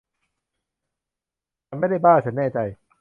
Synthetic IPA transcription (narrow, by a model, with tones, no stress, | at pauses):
a˧nma˥˩˨jda˥˩jbaː˥˩t͡ɕʰa˦nɛː˥˩t͡ɕa˧j